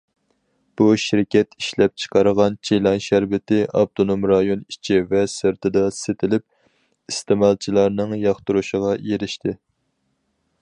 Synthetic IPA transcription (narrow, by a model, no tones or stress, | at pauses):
b̥uʃiɾkʲʰɛt̪iʃlɛp̚t͡ʃʰə̥qʰɑɾəʁɑnt͡ʃʰejlˠɑnʃæɾbɪt̪ɪʔɑb̚t̪ʰonomɾɑjonit͡ʃʰivɛsɨɾt̪ʰɨd̪ɑset̪ʰɪlɪp̚ | ist̪ɪmɑlˠt͡ʃʰilˠɑɾnɨŋjɑχt̪uɾuʃəʁɑjeɾɪʃt̪ʰɪ